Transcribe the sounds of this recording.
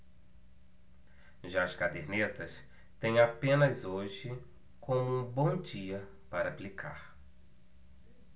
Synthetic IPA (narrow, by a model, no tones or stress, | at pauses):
ʒaɐskad̪eɾnet̪ɐs | t̪ẽj̃apẽnɐzoʒɪ | kʰõmʊũbõw̃d͡ʒiɐ | paɾɐplikʰa̰ɾ